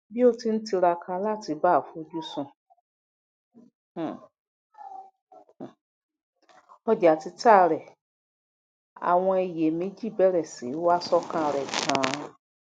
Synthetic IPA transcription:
bi˦o˦ti˧ñ̩˦ti˧ɾa˧kʰa˧la˦˨ti˨˧˦ba˦˨fu˦o˧d͡ʒu˦sũ˧˨ | ɔ˧d͡ʒa˨ti˧ta˦˨ɾɛ˨ | a̰˨w̃ɔ̃˧e˨je˨me˨˦d͡ʒi˦˨bɛ˨˦ɾɛ˨si˨˦wa˦sɔ˦kã˦˨ɾɛ˨kʰã˨˦

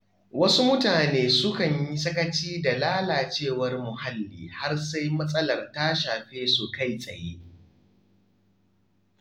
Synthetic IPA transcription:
wɐ˦su˦mʊ˦taː˨neː˦sʊ˦kɐ˨ɲji˦sɐ˦kɐ˦t͡ʃiː˦da˨laː˦laː˨t͡ʃeː˦˨wɐ˦rmʊ˨ha˦lːḭː˨ha˦rsa˦jmɐ˦sʼɐ˦lɐ˨rta˦ʃaː˨ɸeː˦su˨ka˦˨jsʼɐ̰˨jḛː˦

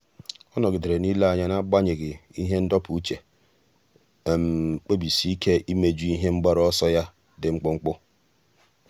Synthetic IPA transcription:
ɔ˦nɔ˨ɡɪ˨de˨ɾe˨ni˦la˦a˨ɲa˦na˦ɡ͡ba˦ɲɪ˨ɡɪ˨i˦ɦe˦n̩˦dɔ˦pu˨u˦t͡ʃe˨ | e˨m̩˨k͡pe˦bi˨si˦i˦ke˦ʔi˦me˦d͡ʒu˦i˦ɦe˦ŋ͡m̩˦ɡ͡ba˦ɾɔ˦ɔ˦sɔ˦ja˦ | dɪ˨ŋ͡m̩˦k͡pʊ˦ŋ͡m̩˦k͡pʊ˦

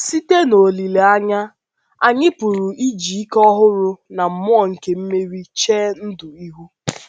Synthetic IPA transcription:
si˦te˦no˨li˨le˨a˦ɲa˦ | a˨ɲɪ˦pʊ˨ɾʊ˨ʔi˦d͡ʒi˨i˦kɔ˦ɦʊ˦ɾʊ˦na˨m̩˨mʊ˦ɔ˨ŋ̩˨ke˨m̩˦me˦ɾi˦t͡ʃeː˦n̩˦dʊ˨i˦ɦu˦

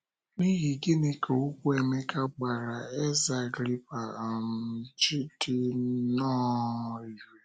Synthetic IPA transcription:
ni˦ɣi˨ɡi˦ne˨ke˨u˦kʷu˦e˨me˦ka˦ɡ͡ba˨ɾa˨e˦za˨ɡɾi˦pa˨m̩˦˨t͡ʃi˦ti˦nɔ˦i˨e˨

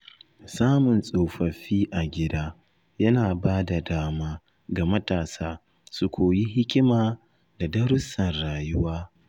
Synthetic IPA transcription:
saː˦mʊ˨nsʼoː˨ɸɐ˨ɸiː˦ʔa˨ɡʲɪ˦daː˦ | jɐ˦naː˨baː˦da˨daː˦maː˦ | ɡa˨mɐ˦taː˨saː˦ | su˨kʷʰoː˨ji˦ɦɪ˦kʲɪ˦maː˨ | da˨dɐ˦ɾʊ˦sɐ˨nɾaː˨jʊ˦waː˦

